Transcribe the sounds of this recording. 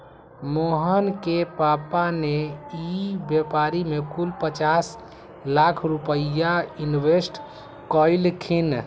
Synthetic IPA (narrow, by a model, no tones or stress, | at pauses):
moɦənkepapaneibjepaɾimekulpət͡ʃas | lakʰɾupəaunwesʈ | kəɪlkʰin